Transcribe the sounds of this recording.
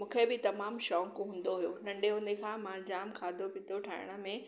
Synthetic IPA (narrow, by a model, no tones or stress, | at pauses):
mũkʰebɪt̪ɐmaːmʃɔːŋkɦũːnd̪oɦujonɐ̃ɳɖeʊnekʰãmãːd͡ʑaːmkʰaːd̪ʱopɪt̪oʈʰaːɪɽ̃ə̆mẽ